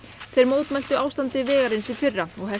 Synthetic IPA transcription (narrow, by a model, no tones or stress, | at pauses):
θejɾmoːwt̪majl̥t̪ʏaːwst̪ant̪ɪvɛːɣaɾɪnsifɪrːaɔɣɦɛ